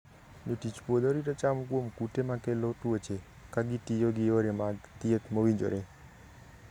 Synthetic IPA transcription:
nuʈit͡ʃpod̪ɔɾiɾat͡ʃamukuomkuʈemãkeloʈuət͡ʃʰe | kaɡiʈijoɡioɾemaɡt̪iət̪moʋind͡ʒo̰ɾe

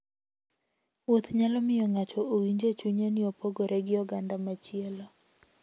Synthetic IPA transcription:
wot̪ɲalɔmɪjɔŋat͡ʃɔʔowiɲd͡ʒet͡ʃuɲenɪopoɡoɾʔɛɡɪɔɡandamat͡ʃɪɛlɔ

